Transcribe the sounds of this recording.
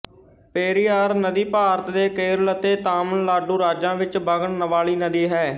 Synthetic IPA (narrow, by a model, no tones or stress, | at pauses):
peːɾiːaːɾnəd̪iːpaːɾət̪d̪eːkeːɾlət̪eːt̪aːmənlaːɖuːɾaːd͡ʒãːʋɪt͡ʃbʱəɡəɳnəʋaːɭiːnəd̪iːɦɛː